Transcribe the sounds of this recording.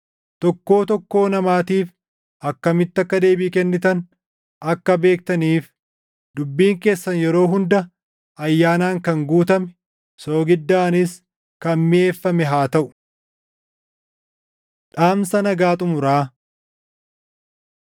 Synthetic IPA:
t̪ɔkːo̞ːt̪ɔkːo̞ːnɐmaːt̪iːf | ʔɐkːɐmɪt̪ːɐkːɐd̪e̞ːbiːkɛnːɪt̪ɐn | ɐkːɐbe̞ːk̚t̪ɐniːf | d̪ʊbːiːŋke̞ːsːɐnjɛɾo̞ːɦʊnd̪ɐ | ɐjːaːnaːŋkɐŋɡuːt̪ɐmɛ̥ | so̞ːɡɪd̪ːaːnɪs | kɐnmɪeːfːɐmɛɦaːt̪ɐʔʊ̥ | ᶑaːmsɐnɐɡaːt̪ʼʊmʊɾaː

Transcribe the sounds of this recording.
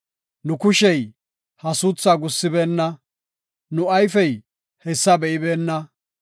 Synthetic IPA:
nʊkʊʃɛj | hɐsʊt͡sːaɡʊsːɪbeːnːɐ | nʊɐjfɛj | hɛsːɐbɛʔɪbeːnːɐ

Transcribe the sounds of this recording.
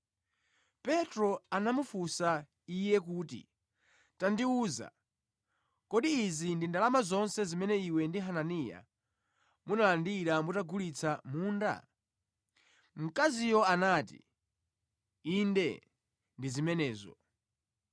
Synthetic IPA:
pɛtɾɔanamufusa | ijɛk̬uːtḭ | tandiuːza̰ | kɔɗiizindindalamazɔnsɛzimɛnɛiwɛndiɦananija̰ | munalandiɾambutaɡulit͡sʰamuːnda̰ | m̩kazijɔanaːtḭ | indɛ̰ | ndizimɛnɛːzɔ̰

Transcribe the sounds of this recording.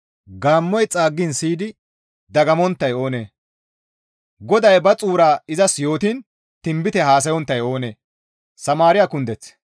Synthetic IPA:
ɡaːmːɔjt͡sʼaːɡːɪnsiːd̪ɪ | d̪ɐɡɐmɔnt̪ːɐjo̞ːne̞ː | ɡɔd̪ɐjbɐt͡sʼuːɾaːɪzɐsjo̞ːt̪iːn | t̪ɪmbɪt̪ɛhaːs̬ɐjɔnt̪ːɐjo̞ːneː | sɐmaːɾɪjakʊnd̪ɛt͡s

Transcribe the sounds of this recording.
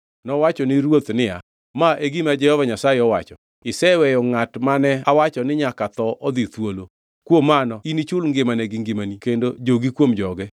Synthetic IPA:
nɔwat͡ʃɔnɪɾwot̪nɪa̰ | maʔeɡimad͡ʒɛhɔvaɲasajeɔwat͡ʃɔ | ɪsɛwɛjɔŋatmanɛawat͡ʃɔnɪɲakat̪ɔʔɔd̪it̪wolo | kwomːanɔinit͡ʃʊlŋɡɪmanɛɡɪŋɡɪmanikendod͡ʒoɡikwomd͡ʒɔɡɛ

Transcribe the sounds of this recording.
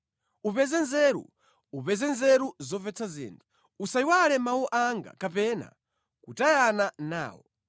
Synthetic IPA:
upɛzɛnzɛɾṵ | upɛzɛnzɛɾuzɔvɛt͡sʰazḭːntʰu̥ | usajiwalɛmawuʔaŋɡa̰kapɛna̰ | kutajanana̰ːwɔ

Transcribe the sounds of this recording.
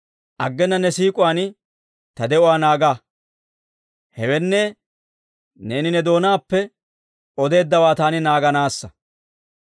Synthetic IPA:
ʔɐɡːɛnːɐnɛsiːkʼʊwaːn | t̪ɐd̪ɛʔʊwaːnaːɡaː | hɛwɛnːɛ | ne̞ːnɪnɛd̪o̞ːnaːpːɛ | ɔd̪e̞ːd̪ːɐwaːt̪aːnɪnaːɡɐnaːsːɐ

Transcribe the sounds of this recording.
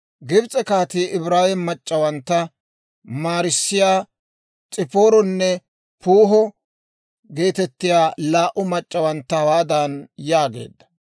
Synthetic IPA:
ɡɪbt͡sʼɛkaːt̪iːʔɪbɾaːjɛmːɐt͡ʃʼːɐwɐnt̪ːɐ | maːɾɪsːɪjaː | t͡sʼɪpo̞ːɾɔnːɛ | puːɦɔ | ɡe̞ːt̪ɛt̪ːɪjaːlaːʔʊmɐt͡ʃʼːɐwɐnt̪ːɐwaːd̪anjaːɡe̞̰ːd̪ːɐ̥

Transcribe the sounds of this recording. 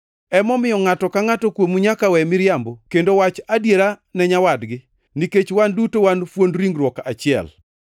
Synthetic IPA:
ɛmɔmɪjɔŋatɔkaŋatɔkwomuɲakawɛmɪɾjambokendowat͡ʃadjeɾanɛɲawadɡɪ | niket͡ʃwandutowanfwondɾiŋɡɾwɔkat͡ʃɪɛ̰l

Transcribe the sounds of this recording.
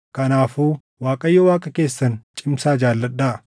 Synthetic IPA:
kɐnaːfuː | waːkʼɐjːɔwaːkʼɐke̞ːsːɐnt͡ʃʼɪmsaːd͡ʒaːlːɐᶑːaː

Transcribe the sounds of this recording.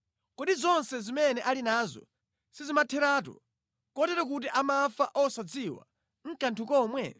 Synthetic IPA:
kɔɗizɔnsɛzimɛnɛʔalinaːzɔ̰ | sizimatʰɛɾaːtɔ̰ | kɔtɛɾɔk̬ut̬iʔamafaʔɔsad͡ziwa̰ | ŋ̩kantʰukɔmwɛ̰

